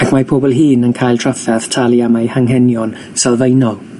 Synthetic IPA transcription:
akʰmapʰoːbɔlˠɦiːnənkʰajlˠtʰr̥afɛðtʰalˠiamajhaŋɦɛnjɔn | sɛlˠvejnɔlˠ

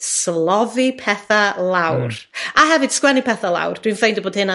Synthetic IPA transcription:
slˠɔðipʰɛθalˠawraɦɛvɨd̥skwɛnipʰɛθalˠa̰wrd̥winfejndɔboːd̥hɨna

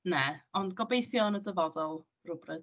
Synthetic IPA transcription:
nɛɔndɡɔbejθjɔnədəvɔdɔlˠ | rʊbrɛd

